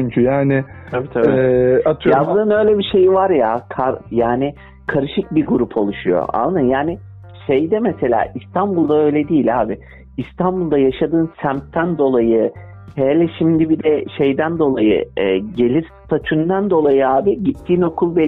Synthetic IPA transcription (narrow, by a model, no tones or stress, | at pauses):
yɲcʰyjaːnɪt̪ʰabit̪ʰaat̪ʰɯabunɯnø̞jlʲebiʃe̞jivaɾjakʰaɾjaːnɪ | kʰaɾɯʃɯk̚biɡuɾupʰo̞lˠuʃujo̞̰ʔa̰lˠnɯnjaːnɪ | ʃe̞jd̪ɛmese̞lʲa̰ːʔist̪ʰanbulˠd̪aø̞jlʲɛd̪iːlʲaːbi | ist̪ʰanbulˠd̪ajaʃad̪ɯːnsæmt̪ʰːænd̪o̞lˠajɯ | helʲɛʃimd̪ibid̪ɛʃe̞jd̪ænd̪o̞lˠajɯ̰ɛːɟe̞lʲiɾ | t̪ʰat͡ʃʰund̪and̪o̞lˠajɯaːbiɟit̪ʰːiːno̞kʰulˠbɛ